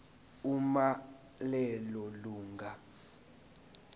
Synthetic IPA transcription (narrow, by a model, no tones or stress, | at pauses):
uma | lɛlɔluːŋɡʱa